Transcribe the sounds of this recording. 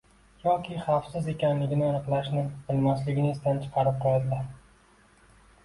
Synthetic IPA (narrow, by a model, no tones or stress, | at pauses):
jɒkʲʰɪχɑfsɪze̞kʲanlɪɡʲɪnɪanɨqlˠaʃnɪbɪlmaslɪɡʲɪnɪɪst̪ant͡ʃʰɨ̥qʰɑɾɪp̚qʰɒjad̪la